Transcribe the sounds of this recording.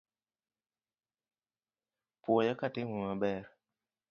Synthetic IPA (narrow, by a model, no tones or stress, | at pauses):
pwɔjakatɪmumabɛɾ